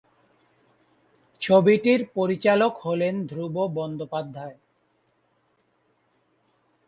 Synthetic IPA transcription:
t͡ɕʰobiʈiɾpoɾit͡ɕalokholend̪ʱɾubobɔnd̪opad̪ʱːae

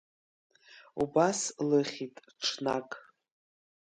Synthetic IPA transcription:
ṵbaslɨχʲitʼ | ʈ͡ʂʰnakʼ

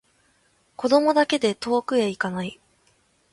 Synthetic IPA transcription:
ko̞d̪o̞mo̞d̪ake̞d̪e̞t̪o̞ːkɯ̟eikanai

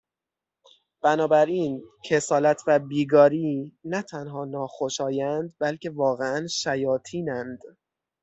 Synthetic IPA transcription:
b̥ænɒːbæɾiːncʰe̞sɒːlæt̪ʰvæbiːɡɒːɾiːnæt̪ʰænɦɒːnɒːxoʃɒːjænd̪̚bælcʰe̞vɒːɣeænʃæjɒːt̪ʰiːnænd̪̥

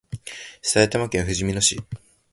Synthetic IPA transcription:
saet̪amakẽɰ̃ɸɯ̟ʑimʲino̞ɕḭ

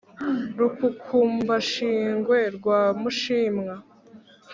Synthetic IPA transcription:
ɾukukʰuːmbaʃiːŋɡweɾɡwaːmuʃiːmŋa

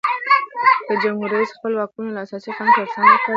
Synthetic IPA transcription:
d̪̥əd͡ʒamhuɾaisxpəlwɑkunolaasɑsikɑnkaɾsanaka

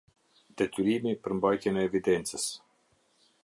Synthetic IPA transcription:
d̪ɛt̪yɾimipəɾmbajt̪jɛnɛːvid̪ɛnt͡səs

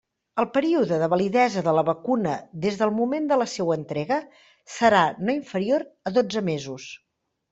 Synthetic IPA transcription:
əlˠpəɾiuðəðəβəliðɛzəðələβəkunəðezðəlˠmumend̪ələsɛwənt̪ɾɛɣə | səɾanoiɱfəɾioɾəðod͡zəmezus

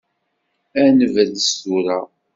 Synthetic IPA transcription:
ænəvəðəsuɾa

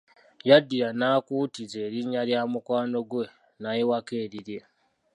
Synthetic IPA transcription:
jadːiɾanaːkuːtizeːɾiɲːaljaːmukwaːno̞ɡwe̞ | najewakeːɾiɾje̞

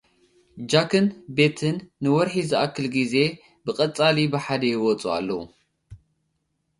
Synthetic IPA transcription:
d͡ʒakʰɨnbe̞t̪ʰɨnːɨwɔɾħizɨʔakːɨlɡize̞ | bɨkʼɐt͡sʼalibɨħad̪ɐjɪwɔt͡sʼua̰lːɐwṵ

